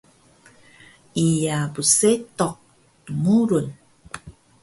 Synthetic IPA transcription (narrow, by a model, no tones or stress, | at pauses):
ʔijabuset̪ɔq̚ | tumuɾun